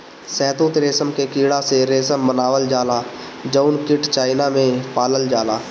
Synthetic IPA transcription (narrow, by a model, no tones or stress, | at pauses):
sɛːt̪ũt̪ɾeːsəmkekiːɽaseɾeːsəmbənaːʋəld͡ʒaːla | d͡ʒəʊnkɪʈt͡ʃaːɪnamẽpaːləld͡ʒaːlaː